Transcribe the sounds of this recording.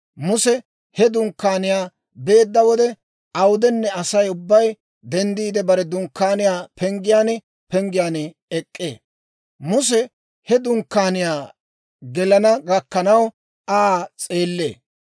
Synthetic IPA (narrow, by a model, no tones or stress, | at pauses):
mʊsɛ | hɛd̪ʊŋkːaːnɪjaː | be̞ːd̪ːɐwɔd̪ɛ | ɐwʊd̪ɛnːɛɐsɐjʊbːɐj | d̪ɛnd̪iːd̪ɛbɐɾɛd̪ʊŋkːaːnɪjaːpʰɛŋɡɪjaːn | pɛŋɡɪjaːn | ɛkʼːḛː | mʊs̬ɛ | hɛd̪ʊŋkːaːnɪjaː | ɡɛlɐnɐɡɐkːɐnɐw | aːt͡sʼeːlːe̞̰ː